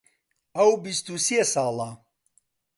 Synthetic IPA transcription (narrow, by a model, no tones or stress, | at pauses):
ɐwbist̪usiesɑːla